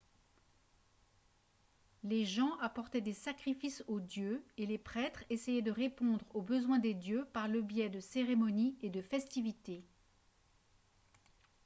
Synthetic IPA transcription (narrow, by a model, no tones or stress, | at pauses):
leʒɑ̃ʔapɔʁt̪ɛd̪esakχifisod̪jøelepχɛt̪χesɛjɛd̪əʁepɔ̃d̪ʁobəzwɛ̃d̪ed̪jøpaʁləbjɛd̪əseʁemɔnied̪əfɛst̪ivit̪e